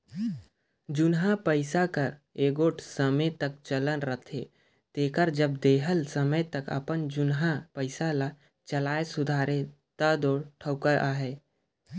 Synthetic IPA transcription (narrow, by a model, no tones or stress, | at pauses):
d͡ʒʊnɦãpəɪsakəɾeːɡoːʈʰsəmet̪ək̚t͡ʃələnɾət̪ʰḛ | t̪eːkəɾd͡ʒəbd̪eːɦəlsəmət̪əkə̰pənd͡ʒʊnɦapəɪsala | t͡ʃəlaːesʊd̪ʱaːɾe | t̪ad̪oːɾʈʰəʊkəʔaɦɛː